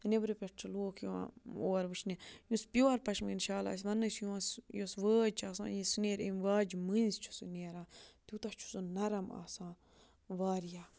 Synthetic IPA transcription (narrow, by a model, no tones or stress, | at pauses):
nebɾipʲeʈt͡ʃʰɨloːkʰjuã̰oːɾʋɨt͡ʃʰnijũspʲjoːɐɾpɐʃminʃaːla̰ːs̬ʲʋɐnːɨsjuãsjosʋəːd͡ʒt͡ʃʰaːsã̰ːjisneːɾemʋaːd͡ʒmɨnzt͡ʃʰu̥sɨ̰neːɾãːt̪ʲut̪ɐt͡ʃʰu̥sunɐɾɐma̰ːsãː | ʋaːɾjaː